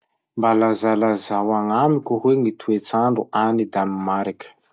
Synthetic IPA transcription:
mbalazalazawaŋamikʲuɦweŋit̪uet͡saɳɖ͡ʐuʔanid̪amimaɾikə̥

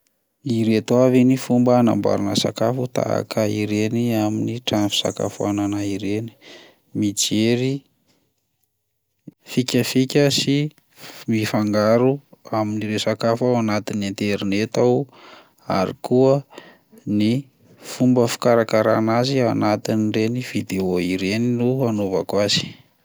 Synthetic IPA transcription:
iɾet̪wavinifumbəna̰mba̰ɾunəsa̰kafut̪a̰a̰kʰəiɾeniaminiʈ͡ʂanfi̥sa̰ka̰fua̰nanaiɾeni̥ | mid͡ʒeɾi | fikʲəfikʲəsi | mifaŋɡaɾuaminiɾesakafawanat̪inent̪eɾinet̪aw | a̰ɾḭkuə | ni | fumbəfi̥kaɾakaɾanazianat̪iniɖ͡ʐeniv̥id̪eoiɾeninuanova̰kwazi̥

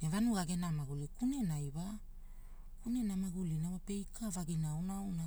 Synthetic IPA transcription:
nevanuɡaɡenamaɡulikunenajβa | kunenamaɡulinawape̞jkʰavaɡinawnawna

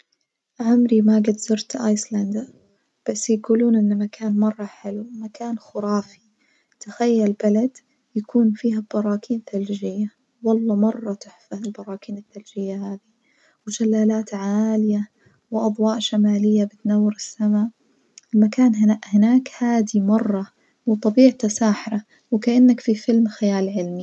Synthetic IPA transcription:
ʕʊmɾimaɡad̪zʊɾt̪ʔaːjsland̪a | b̥asːjɡuːluːnʔɪnːmakʰaːnmɑrˤːɑħɪlumakaːnxʊɾɑːfi | t̪axajːalbalad̪ | jakʰuːnfiːɦabɑɾˤɑːkʰiːnθald͡ʒɪjːa | wɑlˤːɑmɑrˤːɑt̪ɪħfaɪlbɑɾˤɑːkiːnɪθːald͡ʒɪjːahaːði | wd͡ʒalːaːlaːt̪ʕaːlɪja | wɪʔɑd̪ˤwɑːʔʃamaːlɪjːabɪt̪nawːɪɾɪsːamaːʔ | ɪlmakaːnɦɪaʔhɪnaːkhaːd̪imɑrˤːɑ | wt̪ˤɑbiːʕt̪asaːħɾa | wɪkaʔanːakfifɪlmxajaːlʕɪlmi

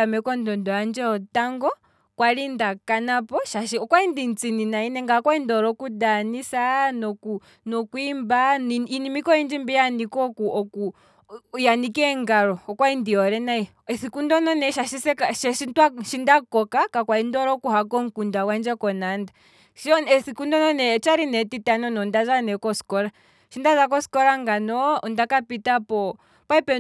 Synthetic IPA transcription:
amɛkɔndɔndɔand͡ʒɛɔtaŋɡɔ | kwalindakanapɔʃaʃiɔkwaindint͡sininainɛŋɡakwaindɔɾɔkudanisanɔku | nɔkuimbainimikɔind͡ʒimbijanikɔkuɔku | janikɛŋɡaɾɔːkwaindiɔɾɛnai | ɛsikundɔnɔnɛʃaʃisɛkaʃɛʃitwaʃindakɔkakakwaindɔɾɔkuɦakɔŋ̩kundawand͡ʒɛkɔnanda | ʃɔnɛsikundɔnɔnɛt͡ʃaɾinɛtitanɔnɔndazanɛkɔskɔɾa | ʃindazakɔskɔɾaŋɡanɔɔndakapitapɔ | paipɛ

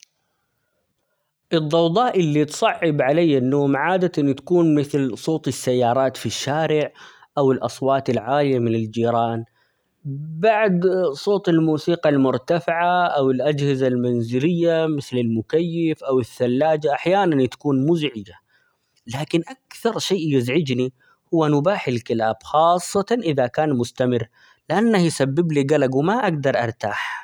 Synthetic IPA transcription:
ʔɨd̪ˤːɑwd̪ˤɑːʔɪlːit̪sˤɑʕːɪbʕalajːanːoːmʕaːd̪ant̪ḁkuːnmɪθlsˤoːt̪ˤɪsːajːɑːɾˤɑːt̪fiʃːaːɾɪʕ | ʔawɪlʔɑsˤwɑːt̪ɪlʕaːlɪjamɪnɪld͡ʒiːɾˤɑːn | baʕd̪sˤoːt̪ˤɪlmuːsiːqɑlmʊɾt̪afɪʕaʔawɪlʔad͡ʒhɪzalmanzɪlɪjːamɪθlɪlmʊkajːɪfʔawɪθːalːaːd͡ʒaʔaħjaːnant̪ḁkuːnmʊzʕɪd͡ʒa | laːkɪnʔakθɑɾˤʃeːʔjɪzʕɪd͡ʒni | hʊwːanʊbaːħalkɪlaːbxɑːsˤːɑt̪ɑʔɪðakaːnmʊst̪amɪrː | lɪʔanːahjsabːɪbliɡalaɡwɪmaʔaɡd̪ɑɾˤʔɑ̰ɾˤt̪aːħ

